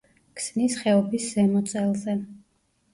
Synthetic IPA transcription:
kʰsnisχɛɔbisz̥ɛmɔt̪sʼɛlˠzɛ

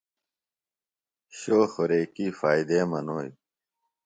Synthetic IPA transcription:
ɕoːxoɾeːkiːfaːid̪eːmɐnoːj

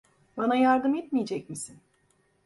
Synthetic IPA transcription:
banajaɾd̪ɯmɛt̪mijed͡ʒɛcmisin

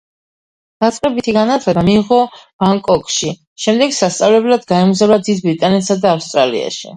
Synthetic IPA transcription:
d̪̥at̪sʼqʼɛbit̪ʰiɡanat̪ʰlɛbamiːʁɔb̥aŋkʼɔkʼʃi | ʃɛmd̪ɛɡsast̪sʼavlɛblad̪ɡaɛmuzavlad̪id̪̚bɾit̪ʼanɛt̪sad̪aːfst̪ʼɾalḭa̰ʃḭ

